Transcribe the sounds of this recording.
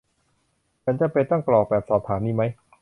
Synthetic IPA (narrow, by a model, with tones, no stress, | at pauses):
mʰa˧˦˥nt͡ɕa˨˩pe˧t̪ɔ˥˩ŋklɔː˨˩k̚bɛː˨˩p̚sɔː˨˩p̚t̪ʰaː˩˦mniː˧˥˩ma˦˥j